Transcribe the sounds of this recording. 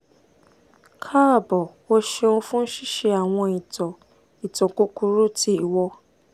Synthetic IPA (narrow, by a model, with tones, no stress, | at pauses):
kʰa˦ɾa˦˨bɔ˨wo˦ʃe˧õ˧fũ˦n̩˦ʃi˦ʃe˧a˨w̃ɔ̃˧i˨tɔ˨ | i˨tɔ̃˨ko˦ku˧ɾu˦ti˦i˦˨wɔ˧